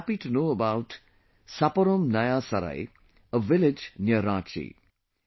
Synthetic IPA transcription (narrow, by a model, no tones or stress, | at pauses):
piʈunoːəbawt | sapəɾomnajasɐɾa̰j | əʋɪlɪd͡ʒnjəɾãːt͡ʃḭ